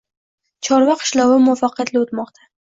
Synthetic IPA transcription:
t͡ʃʰɒɾvaqʰɨ̥ʃlɒwɪmʊafaqʰɨjat̪lɪot̪mɒqt̪ʰa

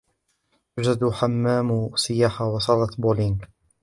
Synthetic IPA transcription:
ad͡ʒad̪ħamːaːmsɪjaːħawɑsˤɑlɑt̪boliŋɡ

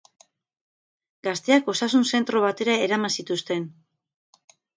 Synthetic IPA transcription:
ɡast̪e̞ako̞sasunse̞nt̪ɾo̞β̞at̪e̞ɾaeɾamasit̪ust̪e̞n

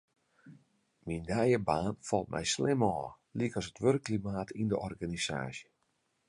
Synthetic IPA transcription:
mindɛjəbaːnfɔlˠt̚mʔɛ̰jslɪmɔː | likɔsətʋørəkːlimaːtʰindəʔɔrɡanisa̰ːsjə

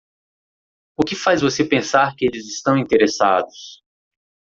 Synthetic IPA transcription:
ʊkɪfajzvosepẽsaɾkɪelɪzɪst̪ɐ̃w̃ĩnt̪eɾesa̰d̪ʊs

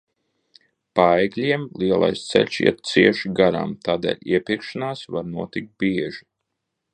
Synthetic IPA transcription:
paɛjɡlʲiɛmlˠiɛlˠa̰jst̪sɛ̰ʎʲsḭɛt̪̚t̪siɛʃiɡaɾa̰ːmt̪aːd̪ɛ̰ːlʲiɛpʲiɾkʃanaːsvaɾnuɔt̪ik̚t̪̚biɛʒi

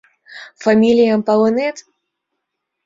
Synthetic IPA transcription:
famʲilʲijampɐlˠɔnɛt̪

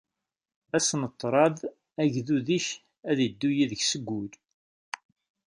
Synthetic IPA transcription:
æsnət̪ˤːɾˤɑð | æʝðuðiç | æðəd̪ːujiðəçsəɡːʊl

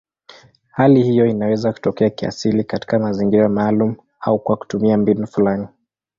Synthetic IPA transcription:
halihijɔinawɛzaku̥tɔkɛakia̰silikati̥kamaziŋɡiɾamaːlum | aukwaku̥tumiambinufulani

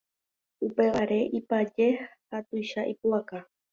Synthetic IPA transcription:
upe̞ʋaɾe̞ʔipad͡ʒe̞hat̪ujʃaʔipuaka

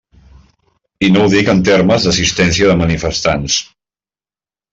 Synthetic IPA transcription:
inowðikənt̪erməzðəsist̪ɛns̬iəðəmənifəst̪ans

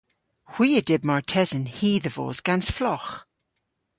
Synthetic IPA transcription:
hw̥iːədɪb̚mɔɹtʰɛzənhiːðəvo̰ːzɡ̥ansflɔx

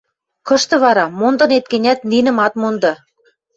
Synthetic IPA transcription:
kɤ̆ʃt̪ɤ̆βɑɾɑmond̪ɤ̆net̪̚kenʲæt̪ninɘ̆mɑt̪mond̪ɤ̆

